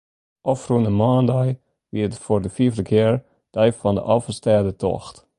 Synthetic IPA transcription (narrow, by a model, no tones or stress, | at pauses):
ʔɔfrunəmɑːndɑj | ʋitfoːɹdəfiəvdəkʰɪːɹ | d̥œjfɑndə̰ʔɑfəstɛːdətɔ̰xt